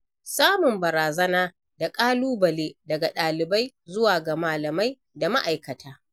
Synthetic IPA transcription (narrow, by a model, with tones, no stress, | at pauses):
saː˦mʊ˨mbɐ˨ɾaː˨zɐ˦naː˦ | da˨kʼaː˦luː˦bɐ˨leː˦dɐ˨ɡa˨ɗaː˨lɪ˨ba˦j | zʊ˦waː˨ɡa˨maː˨lɐ˨ma˦j | da˨ma˦ʔa˨jkɐ˨tʰaː˦